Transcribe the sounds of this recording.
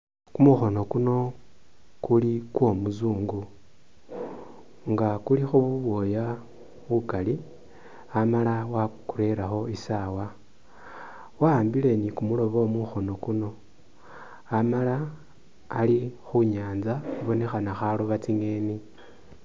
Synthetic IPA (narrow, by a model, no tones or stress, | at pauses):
kumuxo̞no̞kuno̞ | kulikwo̞muzuːŋɡu | ŋɡakulixuβuβwo̞ːja | βukali | amalawakuɾe̞ɾaxo̞isawa | waːmbile̞nikumulo̞βo̞muxo̞no̞kuno̞ | amalaː | lixuɲaːnzaxuβo̞ne̞xanaxaloβat͡siŋe̞ːni